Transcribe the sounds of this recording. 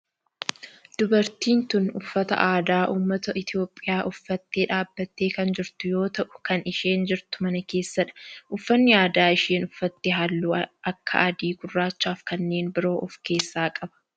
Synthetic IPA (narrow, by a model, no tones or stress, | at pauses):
d̪̥ʊbɐɾt̪iːnt̪ʊnʊfːɐt̪ɐ̰ʔaːd̪aːʔuːmːɐt̪ɐʔɪt̪jo̞ːpʼːɪjaːʔʊfːɐt̪ːeːᶑaːbːɐt̪ːe̞ːkɐnd͡ʒɪɾt̪ʊjo̞ːt̪ɐʔʊ̥kɐnɪʃeːnd͡ʒɪɾt̪ʊ̥mɐnɐke̞ːsːɐᶑɐ̥ʔʊfːɐnːɪjaːd̪aːɪʃeːnʊfːɐt̪ːɪɦɐlːuːʔɐkːɐ̰ʔɐd̪iːɡʊrːaːt͡ʃːaːfkɐnːe̞ːnbɪɾo̞ːʔɔfke̞ːsːaːkʼɐbɐ̥